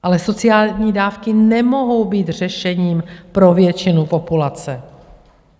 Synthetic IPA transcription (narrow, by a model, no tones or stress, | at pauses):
ʔalɛso̞t͡sɪaːlɲiːdaːfkɪnɛmo̞ɦo̞wbiːt̪r̝ɛʃɛɲiːmpɾo̞vjɛt͡ʃɪnupo̞pulat͡sɛ